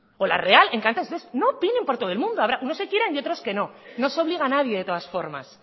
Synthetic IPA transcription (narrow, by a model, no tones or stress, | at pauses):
o̞la̰re̞ale̞ŋkant̪esðesno̞pinẽ̞mpoɾt̪o̞ð̞lmũnd̪oaβɾaʔuno̞se̞kjeɾanio̞t̪ɾoske̞no̞no̞so̞β̞liɣanað̞je̞ðe̞t̪o̞ð̞asfo̞ɾma̰s